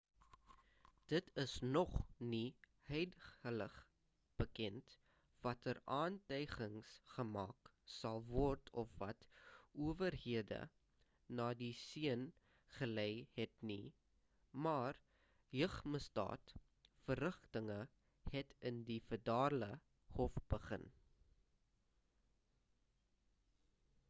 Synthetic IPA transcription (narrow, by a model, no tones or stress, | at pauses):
d̥ətʰəsnɔχni | hœjdələχ | b̥əkɛnt | vɐtəɾɑːntœjχəŋsχəmɑ̰ːk | sɐlˠvɔrtʰɔfvɐ̰tuəvərɦiədə̰ | nɑːdisiən | χəlɛjɦɛtni | mɑːr | jəχməsdɑ̰ːt | fərəχtəŋə | hɛtəndifərdɑːrlə | hɔfb̥əχə̰n